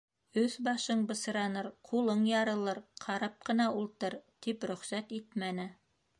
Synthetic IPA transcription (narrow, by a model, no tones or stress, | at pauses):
ɵθbɑʃɤɴbɤ̆s̆ɾɑnɤɾqʰulˠɤɴjɑɾɤ̆lˠɤɾqʰɑɾɑp̚qɤ̆nɑulˠt̪ɤɾt̪ipɾɵ̆χsæt̪it̪mænɘ